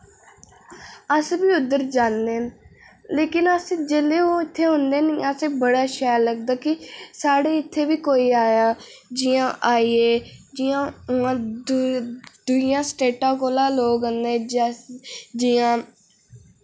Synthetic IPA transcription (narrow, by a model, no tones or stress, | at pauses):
əsbiːʊd̪əɾd͡ʒãːnd̪eːn | leːkɪnəsd͡ʒeːleːõːɪt̪ʰːeːɦʊ̃nd̪eːnĩːəsẽːbəɽaːʃəːləɡd̪aːkɪsaːɽeːɪt̪ʰːeːʋiːkoːiːaːjaːd͡ʒiːãːʔaːieːd͡ʒiːãːʊãː | d̪ʊijãːsʈeːʈãːkoːlãːloːɡɦənd̪eːd͡ʒ | d͡ʒiːãː